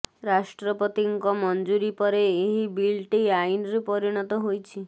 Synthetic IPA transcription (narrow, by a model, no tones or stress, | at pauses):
ɾasʈɾɔpɔt̪iŋkɔmɔnd͡ʒuɾipɔɾeːɦibilʈeainɾepɔɾiɽ̃ɔt̪ɔɦojt͡ʃʰi